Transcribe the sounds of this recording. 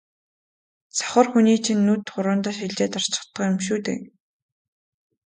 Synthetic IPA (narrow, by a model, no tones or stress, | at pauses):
t͡sɔ̥χə̆rxuniːt͡ɕʰinːut̪χʊɾʊːnt̪aːʃ̬iɮt͡ɕeːt̪ar̥t͡ɕɪ̥̆χt̪ːə̆qjʊmʃuːt̪ḛː